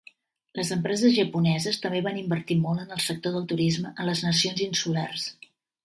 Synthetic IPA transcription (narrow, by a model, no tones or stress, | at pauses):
ləzəmpɾɛzəzʒəpunɛzəst̪əmbeβanimbəɾt̪imolˠənəlˠsək̚t̪oðəlˠt̪uɾizməʔənləznəsionzinsulars